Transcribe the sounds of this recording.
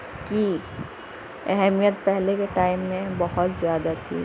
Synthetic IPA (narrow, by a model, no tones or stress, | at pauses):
ki | ɛɦɛmijət̪pɛɦlekeʈaːɪmːẽbəɦʊt̪zjaːd̪at̪ʰḭ